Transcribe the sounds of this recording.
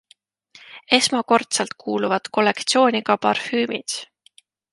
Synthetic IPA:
e̞smɑko̞rt̪sɑlt̪̚kʰuːluvɑd̪̥ko̞lːe̞kt̪sio̞ːnʲiɡɑpɑ̰rfyːmid̪̥

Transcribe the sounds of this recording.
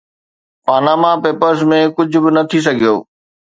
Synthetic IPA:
paːnaːmapeːpəɾsmẽkʊd͡ʑʱʊ̆bɪnɐt̪ʰis̬ɐɡʱijo̰ː

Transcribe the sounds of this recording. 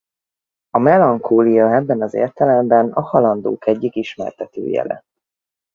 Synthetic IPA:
ɒmɛlɒŋkoːlijɒɛbːɛnɒzḛːrt̪ɛlɛmbɛnɒhɒlɒnd̪o̰ːkɛɟːikiʃmɛ̰rt̪ɛt̪ø̰ːjɛ̰lɛ̰

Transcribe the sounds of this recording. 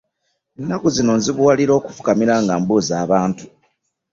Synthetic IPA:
enːakuzino̞nziβuwaliɾo̞ːku̥fu̥kamiɾaːŋɡaːmbuzaːβaːntu̥

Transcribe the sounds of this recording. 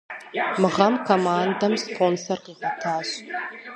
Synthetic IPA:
mɨʁɐmkʰomaːndɐmspʰoːnsorqiːʁʷɐtʰaːɕ

